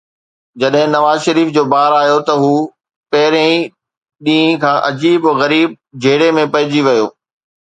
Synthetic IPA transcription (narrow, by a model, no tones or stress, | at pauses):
d͡ʑɐɗɦɪ̃nɐʋaːzʃɐɾiːfd͡ʑoːbaːɾaːɦijot̪ɐɦuː | pɐɦɪɾẽĩ | ɗĩːĩkʰãːʔɐd͡ʑiːbɣɐɾiːb̚d͡ʑʱeːɽemẽpɐɦɪ̃d͡ʑiʋɐjoː